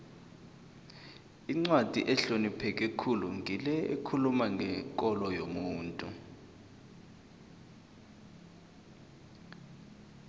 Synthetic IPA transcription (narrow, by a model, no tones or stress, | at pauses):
iŋ͡ǀwad̥ʱḭʔɛɬonipʰɛk̬ɛkʰuluŋʱilɛḛkʰulumaŋɡʱɛkʼɔlɔjomuːntʼu